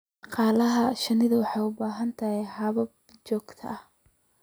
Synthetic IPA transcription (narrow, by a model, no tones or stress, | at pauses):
dɑqɑːlɐɦɐʃɐnɪðɐwɑħɑjʊbaːɦɐnt̪ʰɐɦɛhɐβɐb | t͡ʃɔːɡ̥t̪ʰɐ̰ɐh